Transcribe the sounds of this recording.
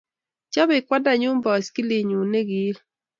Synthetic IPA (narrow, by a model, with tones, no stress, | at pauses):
t͡ʃɔ˦bɪ˨kwa˦da˨ɲʊ˦mbɔ˨ski˦li˨ɲu˨ne˦ɡi˨˦l